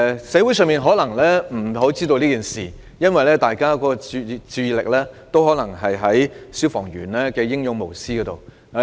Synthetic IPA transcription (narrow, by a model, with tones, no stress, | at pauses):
sɛː˨˥wu˨˥jsœː˧ŋmiː˨nɦɔ˨˥lɐ˨˩ŋlɛː˥m̩˨˩ɦo˨˥wt͡siː˥t̪̬o˧wliː˥kiː˨˩nsiː˨˩ | jɐ˥nwɐ˨jlɛː˥t̪aː˨jkaː˥kɔː˨˧˥ɔ˧t͡sy˧t͡syː˧lɪ˨k̚lɛː˥t̪o˥wɦɔː˨˥nlɐ˨˩ŋɦɐ˨jɦɐ˨˥jsyː˥wfɔː˨˩ŋjyː˨˩nlɛː˥kɛː˧jɪ˥ŋjʊ˨˧ŋmo˨˩wsiː˥kɔː˨˧˥t̪o˨w